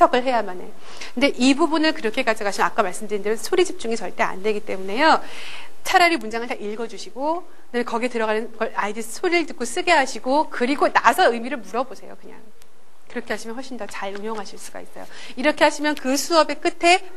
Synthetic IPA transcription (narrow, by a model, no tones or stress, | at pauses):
tʰʌɡɯɭɦe̞jamane | kɯnde̞ʔibubunɯnkɯɾʌkʰe̞k͈ad͡ʑiɡaɕʰiak͈amaɭs͈ɯmdɯɾindɯɾʌnsʰoɾid͡ʑip̚t͡ɕ͈uŋet͡ɕʌɭt͈e̞a̰ndwe̞ɡit͈e̞mune̞jo | t͡ɕʰaɾaɾimund͡ʑaŋɯɭtaiɭɡʌd͡ʑuɕʰiɡo | ɯneekʌɡietɯɾʌɣanɯnɡʌɭaidɯsʰoɾiɯɭtɯk͈os͈ɯɡe̞ɦaɕʰiɡokɯɾiɡonasʰʌɯmiɾɯɭmuɾʌbosʰe̞jo̰kɯɲa̰ŋ | kɯɾʌkʰe̞ɦaɕʰimjʌnɦɸʌɭɕ͈ʰindʌt͡ɕaɭuɲjoŋɦaɕʰiɭs͈uɡa̰is͈ʌjo̰ | iɾʌkʰe̞ɦaɕʰimjʌnkɯsʰuʌbe̞k͈ɯtʰe̞